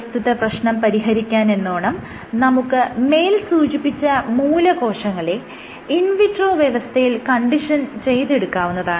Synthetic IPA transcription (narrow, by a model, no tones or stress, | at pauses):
st̪ʰiðɐprɐɕnɐmpɐɾiɦɐɾikʲːaːne̞nːoːɳɐm | nɐmukːɨme̞ːlsuːt͡ɕipːit͡ɕːɐmuːlɐko̞ːʂɐŋːɐɭe | inʋiʈro̞ːʋjeʋɐst̪ʰɐjilkɐɳɖiʂɐnt͡ɕe̞jt̪e̞ɽukːaːʋunːɐðaːɳɨ